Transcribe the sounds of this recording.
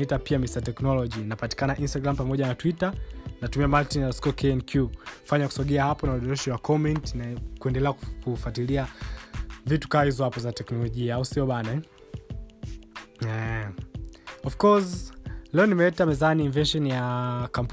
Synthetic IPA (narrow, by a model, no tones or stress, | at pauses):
itapiamisatɛknɔlɔʄinapati̥kanaʔinstaɡɾam̩pamɔʄanatwitanatumiamaltinjaskɔkɛɛnkjufaɲaku̥sɔɠɛahapɔnauɗɔɾɛʃiwakʰɔmɛntinakuɛndɛlɛakufatilia | vitu̥kaahizɔhapɔzatɛknɔlɔʄiaausiɔɓanaɛ | ɛ | ɔfkɔzlɛɔnimɛɛtamɛzaniːɱvɛʃɔnjakamp